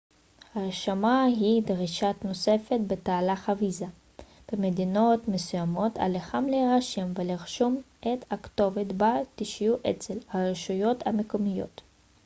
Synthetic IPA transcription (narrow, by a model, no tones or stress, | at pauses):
haʁeʃamaɦid̪ʁiʃatno̞se̞fe̞t̪bet̪aːlaχaviza | b̥emed̪ino̞t̪mesujamo̞t̪a̰leχamleʁaʃimveliʁʃom | et̪akt̪o̞vet̪bat̪iʃjuʔet͡selhaʁeʃujo̞t̪hamekomijo̞̰t̪